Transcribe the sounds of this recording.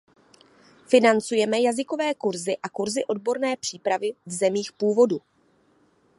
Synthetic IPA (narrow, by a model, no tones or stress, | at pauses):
fɪnant͡sujɛmɛjazɪko̞vɛːkuɾzɪʔakuɾzɪʔo̞dbo̞ɾnɛːpr̥iːpɾavɪvzɛmiːxpuːvo̞du